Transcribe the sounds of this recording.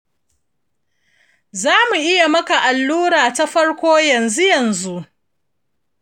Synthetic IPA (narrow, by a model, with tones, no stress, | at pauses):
zaː˦mu˨ʔɪ˦ja˨mɐ˦ka˨ʔa˨lːuː˦ɽaː˨ta˦ɸɐ˦ɽkʷoː˦jɐ˨nzu˦jɐ˨nzu˦ʔ